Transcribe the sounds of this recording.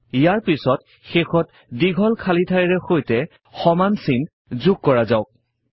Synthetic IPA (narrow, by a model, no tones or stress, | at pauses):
ijaɹpisɔt | xexɔt | diɡʱɔlkʰalitʰajɹɛxojtɛ | xɔmansin | zuɡ̚kːɔɹazaʊk̚